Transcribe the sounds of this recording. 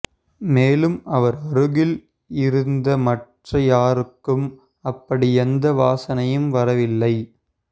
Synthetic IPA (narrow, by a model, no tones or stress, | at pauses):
meːlɯmɐʋɐɾɐɾɯɣɪl | ɪɾɯnd̪ɐmɐʈrɐjaːɾɯkːɯm | ɐpːɐɽiɛnd̪ɐʋaːsɐnɐjɯmʋɐɾɐʋɪlːɐɪ